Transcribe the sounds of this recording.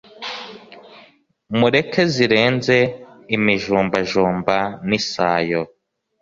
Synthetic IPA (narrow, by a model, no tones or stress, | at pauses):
muɾe̞kʰe̞ziɾe̞ːnze̞imiʒuːmbaʒuːmbanisaːjo